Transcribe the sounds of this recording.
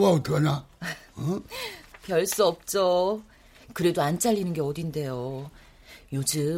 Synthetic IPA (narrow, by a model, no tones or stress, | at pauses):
waotana | pjʌɭs͈uʌp̚t͡ɕ͈o | kɯɾe̞doant͡ɕ͈aʎːinɯnɡe̞ʌdinde̞jo | jod͡ʑɯ